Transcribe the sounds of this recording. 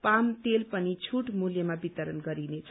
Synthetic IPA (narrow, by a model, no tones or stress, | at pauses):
pamt̪elpʌnit͡sʰuʈmuljʌmabit̪ʌɾənɡʌɾinet͡sʰ